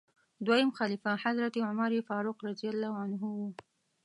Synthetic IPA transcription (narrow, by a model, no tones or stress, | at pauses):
d̪wajamxalifaħazɾat̪iʕʊmaɾifɑɾuqɾad̪ijalːɑʕanɦʊwu